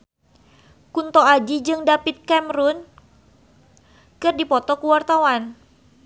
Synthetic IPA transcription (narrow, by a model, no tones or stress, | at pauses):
kunt̪ɔad͡ʒid͡ʒɨŋdapit̪̚kɛmɾun | kɨrdipɔt̪ɔkuwart̪awan